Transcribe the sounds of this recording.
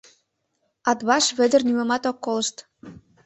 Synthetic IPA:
ɑt̪βɑʃβɘ̆d̪ə̆rnymɤ̆mɑt̪okːolə̆ʃt̪

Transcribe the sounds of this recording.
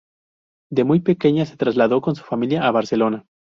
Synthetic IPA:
d̪e̞mujpe̞ke̞ɲase̞t̪ɾazlaðo̞ko̞nsu̥familjaʔːβaɾse̞lo̞na

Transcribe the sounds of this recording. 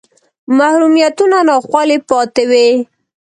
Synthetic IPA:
mahɾumijat̪unanɑxwɑlepɑt̪ɪwe

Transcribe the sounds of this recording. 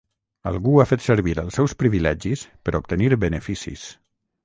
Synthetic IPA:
ə̰lˠɣuafet̪səɾβiɾəlˠsɛwspɾiβilɛʒispəɾup̚t̪əniɾbənəfisḭs

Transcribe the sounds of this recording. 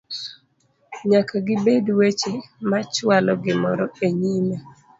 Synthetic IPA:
ɲakʰaɡɪbedwet͡ʃemat͡ʃwalɔɡɪmɔɾɔeɲima

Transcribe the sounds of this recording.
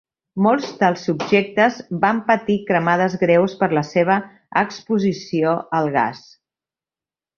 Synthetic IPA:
molˠzd̪əlˠsːubʒek̚t̪əzbampət̪ikɾəmaðəzɣɾewspəɾləseβ̞ə | əkspuzisioəlˠɣa̰s

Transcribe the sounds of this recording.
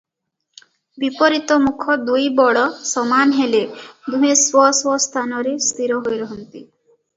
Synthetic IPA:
bipɔɾit̪ɔmukʰɔd̪ujbɔɽɔsɔmanɦeled̪uɦeswɔswɔst̪ʰanɔɾest̪iɾɔɦojɾɔɦɔnt̪i

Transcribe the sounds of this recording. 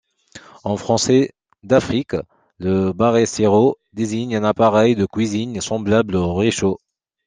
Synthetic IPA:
ɑ̃fχɑ̃sɛ | d̪afχik | ləbaʁeseʁo | d̪eziɲɛ̃napaʁɛjd̪əkɥiziɲsɑ̃blabloʁeʃo

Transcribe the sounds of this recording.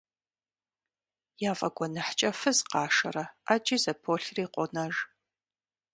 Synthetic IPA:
jaːvʼɐɡʷɔnɨħt͡ʃʼɐfɨzqɑːʂɐ̰rɐat͡ʃʼizɐpʰoːɬriːqʷʼɔnɐʒ

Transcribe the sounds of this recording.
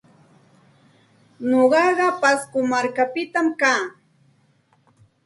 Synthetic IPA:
ɲoɢɑɢɑpaskʊmaɾkapɪt̪amkaː

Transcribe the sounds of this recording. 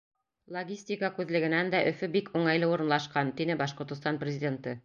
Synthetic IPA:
lˠoɡʲisʲtʲikəkʉðlɘ̆ɡɘ̆nænd̪æʔɵ̆fɵbikuɴɑjlˠɤuɾɤ̆nlˠɑʃqɑnt̪inɘbɑʃqŏɾt̪ɤ̆st̪ɑnprʲɪzʲɪdʲe̞nt̪ɤ

